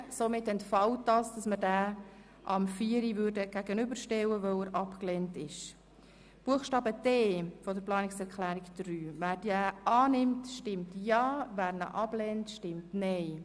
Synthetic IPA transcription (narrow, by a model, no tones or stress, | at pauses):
somɪtɛntfɑwt̚dɑːsd̥ɑsmədæː | ʔɑmfiːɾiʋʏɾdəɡ̥æɡənʏbəɾʃtɛwəʋœwəɾʔɑpklɛntɪʃ | b̥uəχʃtɑːbəd̥eːfɔd̪əɾplɑːnɪksɛɾkʰlæːɾiɡd̥ɾyːvæːɾd̥æːʔɑːnɪmtʃtɪmtjɑːvæːɾnə̰ʔɑb̥lɛntʃtɪmtnɛɪ